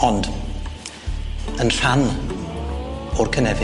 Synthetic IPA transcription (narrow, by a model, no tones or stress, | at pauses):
ɔnd | ənɬan | ʊrkʰənɛvɪ